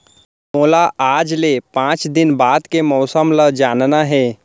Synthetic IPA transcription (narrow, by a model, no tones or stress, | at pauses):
moːlaʔaːd͡ʒlepãːt͡ʃd̪ɪnbaːd̪kemɔːsəmləd͡ʒaːnnaɦɛː